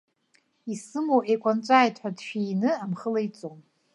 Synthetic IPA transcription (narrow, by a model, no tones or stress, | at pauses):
isɨmowʔejkʷʼant͡ʃʷʼaːjtʰħʷᶣadʃᶣijnɨamχəlajt͡sʼom